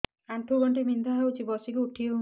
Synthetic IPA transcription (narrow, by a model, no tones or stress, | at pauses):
ant̪ʰuɡɔɳʈimind̪ʱaɦewt͡ʃʰibɔsikuuʈʰio